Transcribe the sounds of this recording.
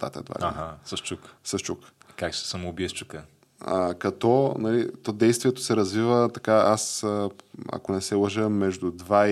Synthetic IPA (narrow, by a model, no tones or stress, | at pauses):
t̪a̰t̪ɐ̰ɛd̪va̰d̪ɛasəʃt͡ʃuksəʃt͡ʃuk | kakʃɛ̥sɐmʊbiɛst͡ʃukə | ə̰kɐt̪ɔnɐlit̪ɔd̪ɛjst̪vʲiɛt̪o̥sɛɾɐzvivət̪ɐkaasəɐ̰konɛsɛlˠəʒəmːɛʒd̪ud̪va